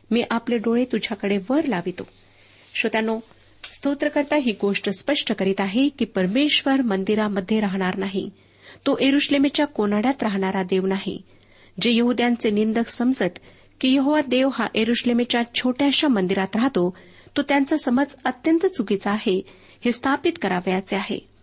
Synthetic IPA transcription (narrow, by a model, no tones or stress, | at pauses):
miːʔapleɖoɭet̪ud͡ʑʱjakəɽeʋəɾlaʋit̪o̰ | ɕot̪janːo | st̪ot̪ɾəkəɾt̪aɦiːɡoʂʈəspəʂʈəkəɾiːt̪aɦekiːpəɾmeɕʋəɾmənd̪iɾaməd̪ʱːjeɾaɦɽ̃aɾnaɦḭ | t̪oʔjeɾuɕlemet͡ɕjakonaɽjat̪ɾaɦɽ̃aɾad̪eʋnaɦḭ | d͡ʑejəɦud̪jant͡senind̪əksəmd͡zət̪ | kiːjəɦoʋad̪eʋɦaʔeɾuɕlemet͡ɕjat͡ɕʰoʈjaɕamənd̪iɾat̪ɾaɦt̪o | t̪ot̪jant͡səsəməd͡zət̪jənt̪ət͡suɡit͡saːɦe | hest̪ʰapit̪kəɾaʋjat͡seaɦḛ